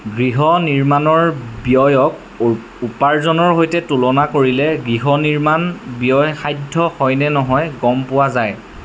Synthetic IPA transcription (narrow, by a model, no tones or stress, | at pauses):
ɡɹiɦɔniɹmanɔɹbiɔjɔk̚ | upaɹzɔnɔɹɦojtɛtulɔnakoɹilɛɡɹiɦɔniɹmanbijɔjxajdʱɔxɔjnɛnɔɦɔjɡɔmpʊwazaj